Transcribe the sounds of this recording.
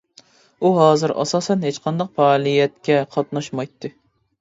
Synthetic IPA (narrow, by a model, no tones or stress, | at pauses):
uɦɑːzɨɾɑ̰sɑːsɛnɦet͡ʃqʰɑnd̪ɑqfɛːlˠijɛt̪̚kʲʰɛqʰɑt̪̚nɑʃmɑjt̪ʰːɨ